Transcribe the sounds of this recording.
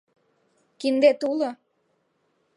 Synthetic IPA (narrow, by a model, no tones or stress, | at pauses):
kind̪et̪ulo